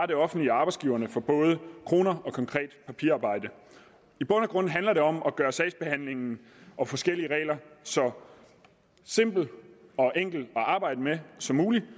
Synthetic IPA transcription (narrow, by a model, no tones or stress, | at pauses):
ɑdɾe̝ɒ̽fn̩dliɑ̈b̥ɑ̈ɪsɡ̥iʊɐnəfɒ̽b̥ɔ̽ːð̞ˠəkʰʁo̝ːnɐɒ̽kʰɒ̽ŋkʰʁɛ̰ːd̥pʰæpʰḭɐɑ̈ːb̥ɑ̈ɪ̰d̥ə | ib̥ɔ̽nəɡ̥ʁɔ̽n̰n̩ɦænlɐɾe̝ɒ̽mʔɒ̽ɡ̥ɶːɐsɛɪsb̥e̝hæn̰le̝ŋn̩ | ʔɒ̽fɒ̽sɡ̥el̰iəʁɛ̰ɪlɐsɒ̽ | se̝m̰b̥l̩ɒ̽ʔeŋ̰ɡ̥l̩ɒ̽ʔɑ̈ːb̥ɑ̈ɪ̰d̥əmesɒ̽mːuːli